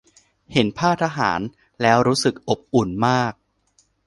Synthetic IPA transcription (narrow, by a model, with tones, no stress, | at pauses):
he˩˦npʰaː˥˩t̪ʰa˧ɦa̰ː˩˦n | lɛː˦˥wɾuː˦˥sɯ˨˩k̚ʔo˨˩p̚ʔu˨˩nmaː˥˩k̚